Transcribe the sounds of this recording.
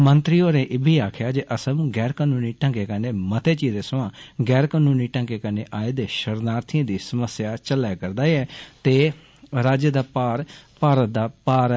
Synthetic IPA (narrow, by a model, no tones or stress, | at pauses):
mənt̪ɾiːoːɾẽːʔɪbʱiːaːkʰjaːd͡ʒeʔəsəmɡɛːɾkaːnuːniːʈə̃ŋkeːkəneːmət̪eːt͡ʃiːd̪eːsəʋãːɡɛːɾkaːnuːniːʈə̃ŋkeːkəneːʔaːeːd̪eːʃəɾnaːɾt̪ʰɪə̃ːd̪iːsəməsjaːt͡ʃəlaːkəɾd̪aːiɛːt̪eː | ɾaːd͡ʒd̪aːpaːɾpaːɾət̪̚d̪aːpaːɾ